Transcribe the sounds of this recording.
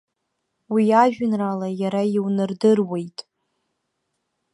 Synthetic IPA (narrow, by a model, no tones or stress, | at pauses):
wiaʒᶣnralajaɾaiwnɨrdɨrwe̞jtʼ